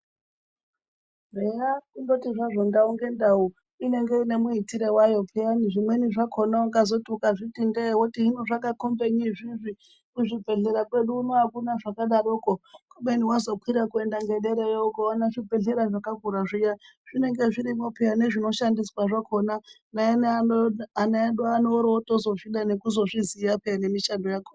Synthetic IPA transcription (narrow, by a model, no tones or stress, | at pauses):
rejakundo̞tiʐaʐo̞ndauŋɡe̞ndau | ine̞ŋɡeine̞muitiɾewajo̞pʰejaniʐimweniʐakʰonaukazo̞tukaʐitindewotiinoʐakakombeɲiʐiʐi | kuʐibʱe̞ɮeɾakwe̞ɗuːnoakunaʐakaɗaɾokokomeniwazo̞kwiɾakue̞ndaŋɡeɗeɾejoukowanaʐibʱe̞ɮeɾaʐakaɡʱuɾaʐija | ʐ̥ine̞ŋɡeʐiɾimopʰejaneʐino̞ʃandiswaʐakʰona | naen | anaeɗuanoɾotozo̞fiɗanekuzo̞ʐizijapʰejanemiʃandojakoːna